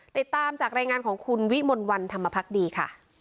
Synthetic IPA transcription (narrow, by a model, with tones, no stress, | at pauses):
t̪i˨˩t̪ːaː˧mt͡ɕaː˨˩k̚ɾaː˧jŋaː˧nkʰɔː˩˦ŋkʰu˧nwi˦˥mo˧nwa˧nt̪ʰa˧mːa˧pʰa˦˥k̚diː˧kʰa̰˥˩